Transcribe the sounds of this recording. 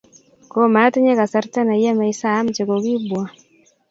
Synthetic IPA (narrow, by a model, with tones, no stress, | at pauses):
ko˦ma˨˦te˦ɲe˦ka˨sa˦ɾta˦na˨ja˦ma˨i˦sa˦˨˦m˨t͡ʃe˨ko˨ɣi˦bwa˨